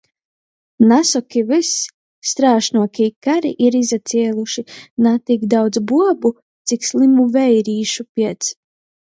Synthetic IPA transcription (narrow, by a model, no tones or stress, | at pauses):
nasɔkʲivis | st̪ɾaːʃnuɔkʲikaɾiʔiɾizat̪siɛlˠuʃinat̪ikd̪awd̪zbuɔbu | t̪sikslˠimuvɛjɾiːʃupʲiɛt̪s